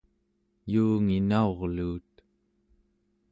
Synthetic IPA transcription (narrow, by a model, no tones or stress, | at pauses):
juːŋinao̞ʁluːt̪